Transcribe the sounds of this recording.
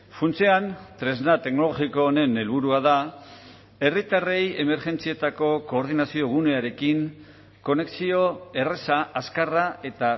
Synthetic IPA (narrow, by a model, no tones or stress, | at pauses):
funt͡seant̪ɾe̞znat̪e̞kno̞lo̞ɣikoːne̞ne̞lβuɾuaða | e̞rit̪are̞je̞me̞ɾʝe̞nt͡sie̞t̪ako̞ko̞ːɾð̞inasio̞ɣ̞une̞aɾe̞kiŋ | ko̞ne̞ksio̞e̞re̞saʔaskarae̞t̪a